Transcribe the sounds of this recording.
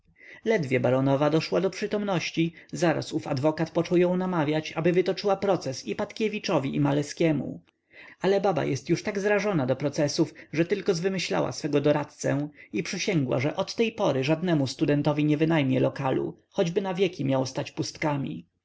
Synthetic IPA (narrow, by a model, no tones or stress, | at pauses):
lɛd̪vʲjɛbaɾɔnɔvad̪ɔʂwad̪ɔpʂɘt̪ɔmnɔɕt͡ɕizaɾa̰sufa̰d̪vɔkat̪pɔt͡ʂɔwjɔ̃w̃namavʲjat͡ɕabɘvɘt̪ɔt͡ʂɘwapɾɔt̪sɛsipat̪kʲevʲit͡ʂɔvʲiʔimalɛskʲɛmṵ | alɛbaba̰jɛst̪juʂt̪aɡzɾaʐɔnad̪ɔpɾɔt̪sɛsufʐɛt̪ɘlkɔzvɘmɘɕla̰wa̰sfɛɡɔd̪ɔɾat̪t̪sɛipʂɘɕɛŋɡwa̰ʐɛʔɔt̪ːɛjpɔɾɘʐad̪nɛmust̪ud̪ɛnt̪ɔvʲiɲɛvɘnajmʲjɛlɔkalṵ | xɔd͡ʑbɘnavʲjɛkʲimʲjawst̪at͡ɕpust̪kamʲḭ